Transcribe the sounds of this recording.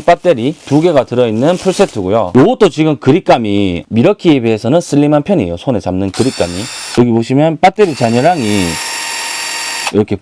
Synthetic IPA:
p͈at͈e̞ɾituɡe̞ɡatɯɾʌinːɯnpʰuɭs͈e̞tʰɯɡujojout͈ot͡ɕiɡɯmkɯɾik͈amimiɾʌkʰiebiesʰʌnɯns͈ɯɭːimanpʰjʌnɲijosʰonet͡ɕamnɯnkɯɾik͈amijʌɡipoɕʰimjʌnp͈at͈e̞ɾit͡ɕaɲʌɾaŋi | iɾʌkʰe̞

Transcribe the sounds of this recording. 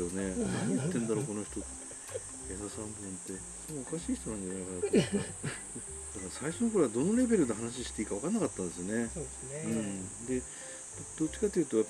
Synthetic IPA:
jo̞ne̞nait̪ːẽ̞nd̪aɾo̞ko̞no̞çi̥t̪o̞ | ed̪asãnb̪obɯ̟̃nt̪ːe̞ | somookaɕiːçi̥t̪o̞nãnd̪esoakaɾaː | d̪̥akaɾasaiʃonokoɾead̪o̞noɾe̞be̞ɾɯ̟d̪eɦanaɕ̬iɕi̥t̪eikaβakanːakat̪ːãnd̪esɨjone̞oesɯ̟̃ɴd̪e̞ | d̪̥ot͡ɕːi̥kat̪ːejiɯ̟t̪o̞japː

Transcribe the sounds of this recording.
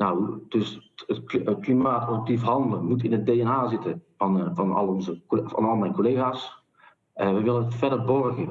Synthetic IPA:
nawd̥øsətətklimaːtɔəp̚tifɦɑndələmutɪnət̚deːɛnaːzɪtə | nfɑnɑ̰lˠɔnzəkfɑ̰nɑlˠmɛjnkoleːɣaːs | əʋəjʋɪlənfɛdəɹbɔrɣə

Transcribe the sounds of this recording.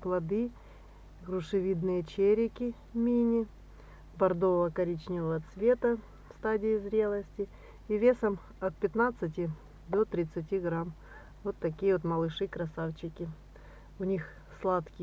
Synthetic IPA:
plˠɐd̪ɨ | ɡrʊʂɨvʲid̪nɨjət͡ɕeɾʲɪkʲɪ | mʲinʲɪ | bɐrd̪ovəkɐɾʲit͡ɕnʲɪvəvɐt̪svʲe̞t̪ə | fst̪adʲɪɪzɾʲe̞lˠəsʲtʲɪː | vʲe̞səm | ɐt̪̚pʲɪt̪nat̪sɨtʲɪ | d̪ot̪ɾʲɪt̪sɨt̬ʲiɡɾam | vo̞t̪ːɐkʲijəot̪mɐlˠɨʂɨkɾɐsaft͡ɕɪkʲɪ | ʊnʲix | slˠat̪kʲɪ

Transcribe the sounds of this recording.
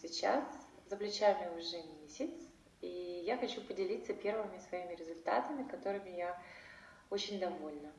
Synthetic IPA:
sʲɪt͡ɕa̰szəplʲɪt͡ɕamʲɪʊʐɛmʲesʲɪt̪s | ijaxɐt͡ɕupədʲɪlʲit̪səpʲe̞rvɨmʲɪsvɐimʲɪɾʲɪzʊlʲt̪a̰t̪əmʲɪkɐt̪o̞ɾɨmʲɪja | ot͡ɕɪnʲd̪ɐvo̞lʲnə

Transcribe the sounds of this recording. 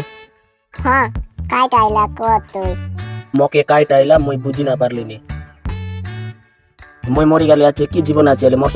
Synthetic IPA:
hɔ̃kajʈajlakɔt̪ojmokekajʈajlamojbud͡ʒʱinapaɾleni | mojmoɾiɡaliakekid͡ʑibonat͡ɕelemɔʃ

